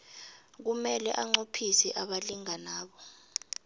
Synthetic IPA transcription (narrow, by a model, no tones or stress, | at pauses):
k̬umɛlɛʔaŋ͡ǃopʰisɛʔaɓaliŋanaːɓɔ